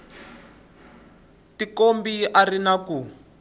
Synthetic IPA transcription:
tikombiʔarinaku

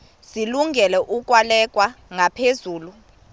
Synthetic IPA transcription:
ziluŋɡʱɛlɛʔuk̬ʼwalɛk̬ʼwaŋapʰezuːlu

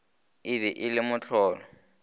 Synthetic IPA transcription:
ɪbɪʔɪlɪmʊt͡ɬʰɔːlɔ

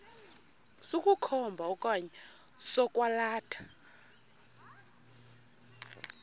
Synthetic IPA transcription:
sukʼukʰɔmbʱaɔkʼaɲɛ | sɔkʼwalaːtʰḁ

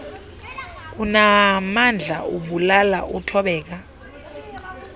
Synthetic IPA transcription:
k̬unamand͡ɮʱa̰uɓulala̰ʔutʰɔɓɛːk̬a

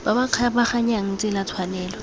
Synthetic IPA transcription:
b̥abakʰabaχaɲaŋ̩t͡sʼɪlat͡sʰwanɛːlɔ

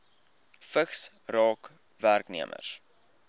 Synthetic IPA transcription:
fəχs | rɑːk | værknḭəmʔə̰rs

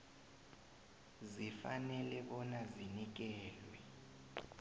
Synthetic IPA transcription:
zifanɛlɛɓɔnazinik̬ɛːlwɛ

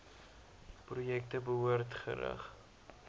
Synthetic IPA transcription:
prujɛk̚təbəɦuərtχə̰ɾɐ̰χ

